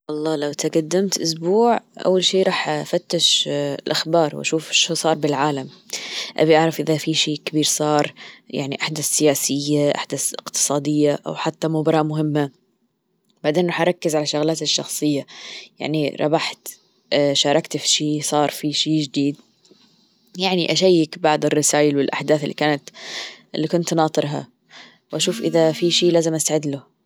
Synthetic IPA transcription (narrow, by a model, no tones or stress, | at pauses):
ʔɑlˤːɑːlawt̪aɡad̪ːamt̪ʔʊsbuːʕʔa̰wːalʃiːɾˤɑːħafat̪ːɪʃlʔaxbɑːɾˤwʔa̰ʃuːfʃsˤɑːɾˤbɪlʕaːlamʔa̰biʔaʕɾˤɑfʔɪðafiːʃiːkabiːɾsˤɑːɾˤja̰ʕniʔaħd̪asɪjaːsɪjːaʔa̰ħd̪aθɪqt̪ɨ̥sˤɑːd̪ɪjːaʔa̰wħat̪ːamʊbɑɾˤɑmʊɦɪmːa | b̥aʕd̪eːnɾɑħʔɾˤɑkːɪzʕalaʃʊɣlaːt̪ɪʃːɑxsˤɨjːaja̰ʕniɾˤɑ̰baħt̪ː | ʃɑːɾˤɑkt̪fiʃiːsˤɑːɾˤfiʃiːd͡ʒɪd̪iːd̪ | jaʕniʔaʃajːɪkbaʕd̪ˤɪrːɪsaːjɪlwɪlʔaħd̪aːθɪlːḭkaːnat̪ʔɪlːikʊnt̪nɑːt̪ˤɨɾɦa̰ | wʔaʃuːfʔɪðafiʃiːlaːzɪmʔast̪aʕɪd̪lʊ